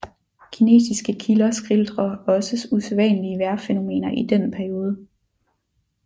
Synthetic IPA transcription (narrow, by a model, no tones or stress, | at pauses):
kʰine̝̰ːsisɡ̥əkʰilɐsɡ̥ʁild̥ʁɐɒ̽səsuseʋɛ̰nəliəʋæɐfeno̝me̝̰ːnɐʔid̥en̰pʰæɐio̝ːð̞ˠə